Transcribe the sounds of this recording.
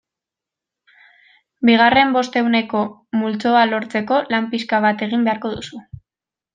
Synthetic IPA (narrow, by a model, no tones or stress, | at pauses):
biɣare̞mbo̞st̪e̞wne̞ko̞ | mult͡so̞alo̞ɾt͡se̞ko̞lampiskaβ̞at̪e̞ɣ̞imbe̞aɾko̞ðusu